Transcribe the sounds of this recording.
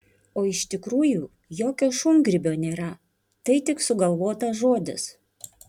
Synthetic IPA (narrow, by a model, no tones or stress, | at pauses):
oːɪʃt̪ʲɪkɾuːjuː | joːkʲoːʃʊŋɡɾʲɪbʲoːnʲeːɾɐ | t̪ɐɪt̪ʲɪksʊɡɐlˠʋoːt̪ɐʒoːd̪ʲɪ̰s